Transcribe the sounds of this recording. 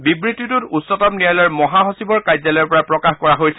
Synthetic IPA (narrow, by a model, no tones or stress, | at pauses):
bibɹitːitututsɔtɔmnijalɔɹmɔɦaɦosibɔɹkajzalɔɹpɔɹapɹɔkaxkɔɹaɦojsɛ̥